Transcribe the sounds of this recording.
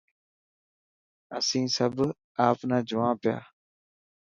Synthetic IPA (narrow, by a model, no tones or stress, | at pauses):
əsĩːsəb | aːpnãːd͡ʒʊʋãːpɪja̰ː